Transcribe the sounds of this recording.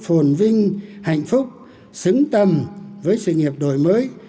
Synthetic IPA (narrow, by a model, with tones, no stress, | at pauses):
fo˨˩nvï˧ŋ̟ha̰˧˨jŋ̟fʊ˦˥k͡p̚ | sɨ˨˦ŋt̪ə˧mvəː˨˦jsɨ̰˧˨ŋi˨˩əp̚ɗo̰˧˨jməː˨˦j